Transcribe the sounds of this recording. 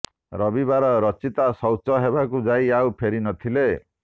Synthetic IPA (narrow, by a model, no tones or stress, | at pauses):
ɾɔbibaɾɔɾɔt͡ʃit̪asɔwt͡ʃɔɦebakud͡ʒajawpʰeɾinɔt̪ʰile